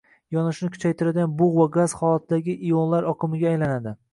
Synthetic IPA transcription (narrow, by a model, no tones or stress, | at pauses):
jɒnɪʃnɪkʰʊ̥t͡ʃʰajt̪ʰɪɾad̪ʲanbʊʁvaɡaz̥χɒlˠat̪d̪aɡʲɪʔijonlaɾɒqʰɨmɪɡʲaːjlanad̪ɪ